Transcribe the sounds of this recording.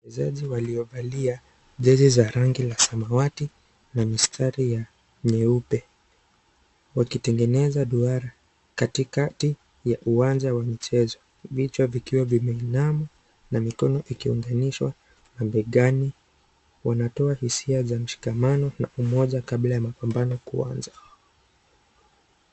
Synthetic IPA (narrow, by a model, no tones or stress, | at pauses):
ɛzaʄiwaliɔɓalia | ʄɛzizaɾaŋɡilasamawati | namistʰaɾija | ɲɛupɛ | wakitɛŋɡɛnɛzaɗuaɾa | katikati | jaʔuand͡ʒawamit͡ʃɛzɔ | vit͡ʃavikiwavimɛinama | namikɔnɔʔikiuŋɡaniʃwa̰ | nambɛɠani | wanatɔahisiazam̩ʃi̥kamanɔnaumɔʄakablajamapambanɔkṵwa̰nza